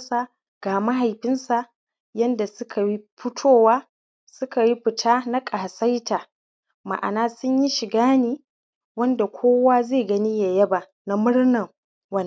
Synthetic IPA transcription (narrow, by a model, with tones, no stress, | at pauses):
sa˨ | ɡ̥aː˨ma˦ɦa˨jɸɪ˦nsa˨ | jɐ˦nda˨sʊ˦kʰa˨wi˦ɸʊ˦tʰoː˦˨waː˦ | sʊ˦ka˨ji˦ɸɪ˨tʰaː˦na˦kʼaː˨sɐ˦jtʰaː˨ | ma̰˨ʔa̰˨naː˦sʊ˦ɲji˦ʃɪ˨ɡaː˦niː˨ | wɐ˦nda˨kʷʰoː˦waː˦zeː˦˨ɡɐ˦ni˦ja˨jɐ˦ba˨ | na˦mʊ˦ɽnɐ˨ŋ | wɐ˦n˨